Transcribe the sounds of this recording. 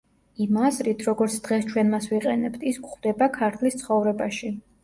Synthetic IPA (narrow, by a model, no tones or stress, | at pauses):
imazɾit̪ʰɾɔɡɔɾt̪sʰd̪̥ʁɛst͡ʃʰwɛnmasviqʼɛnɛbt̪ʰiskʰχd̪ɛbakʰaɾt̪ʰlist̪sʰχɔvɾɛbaʃi